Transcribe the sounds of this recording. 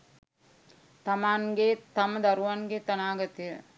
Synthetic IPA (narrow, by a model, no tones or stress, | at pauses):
t̪ɐmaːnɡeːt̪ɐmɐd̪ɐɾuʋanɡeːt̪ɐnaːɡɐt̪ːiɐ